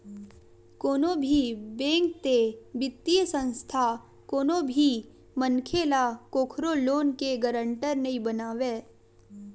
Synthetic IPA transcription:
koːnõbʱibẽːŋk̚t̪ebɪt̪ːijəsə̃nst̪ʰa | koːnõbʱi | mənkʰeːlakoːkʰɾoloːnkeɡəɾə̃ɳʈəɾnəĩbənaːʋeː

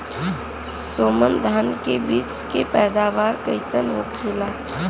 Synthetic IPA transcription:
soːmənd̪ʱankebiːt͡ʃkepɛːd̪aːʋaːɾkəɪsənɦokʰelaː

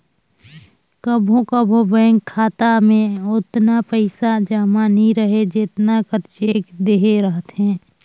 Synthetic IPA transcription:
kəbʱõkəbʱobɛ̃ːŋkʰːaːt̪amẽʊt̪napəɪsad͡ʒaːmaniɾəɦed͡ʒɪt̪nakəɾt͡ʃeːkd̪eɦeɾəɦət̪ɦɛ̃ː

